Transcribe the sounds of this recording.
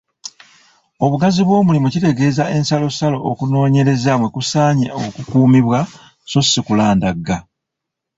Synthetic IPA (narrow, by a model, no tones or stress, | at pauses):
o̞βuɡaziβwo̞ːmulimucite̞ɡe̞ːzae̞nsalo̞salo̞ːkuno̞ːɲe̞ɾe̞zamwekusaːɲeo̞kukuːmiβwa | so̞sikulaːndaɡːa